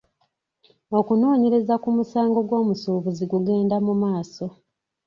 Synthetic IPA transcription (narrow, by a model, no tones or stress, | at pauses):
o̞kuno̞ːɲe̞ɾe̞zakumusaːŋɡo̞ɡwo̞ːmusuːβuziɡuɡe̞ːndamumaːso̞